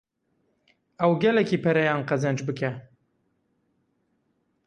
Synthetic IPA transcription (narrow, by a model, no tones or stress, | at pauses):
ɐwɡɛlɛkiːpʰɐɾɛjɑːnqɐzɐnd͡ʒbɨkʰɛ